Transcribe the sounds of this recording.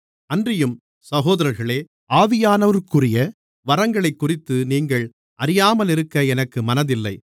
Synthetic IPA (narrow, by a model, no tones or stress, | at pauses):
ɐndrɪjɯm | sɐɣoːðɐɾɐɾɣɐɭeː | ʔaːðɪjaːnɐʋɐɾkʊrɪjɐ | ʋɐɾɐŋɡɐɭɐɪkːʊrɪt̪ːɯniːŋɡɐɭ | ʔɐɾɪjaːmɐlɪɾɯkːɐɛnɐkːɯmɐnɐðɪlːɐɪ